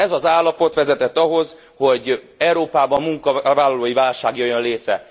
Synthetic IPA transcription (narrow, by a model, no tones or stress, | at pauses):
ɛzɒzaːlːɒpo̞t̪ʋɛzɛt̪ɛt̪ːɒɦo̞z | ho̞ɟ | ɛuɾoːpaːbɒmmuŋkɒvaːlːɒloːjivaːlʃaːɡjøjːønleːt̪ɾɛ